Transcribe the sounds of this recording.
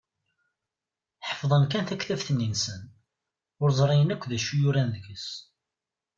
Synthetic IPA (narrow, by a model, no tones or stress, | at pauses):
ħə̥fðˤənkænθækθæfθənːinsən | ʊɾzˤɾˤɑjənækʷːðæʃujuɾænðəɡəs